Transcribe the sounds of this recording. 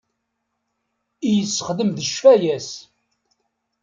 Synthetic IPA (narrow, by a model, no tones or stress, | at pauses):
ijəsːəχðəmðəʃfæjæs